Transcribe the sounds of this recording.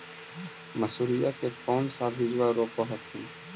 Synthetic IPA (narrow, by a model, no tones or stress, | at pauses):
məsuːɾɪjaːkeːkɔːnsaːbʱid͡ʒʋaːɾoːpoɦət̪ʰːiː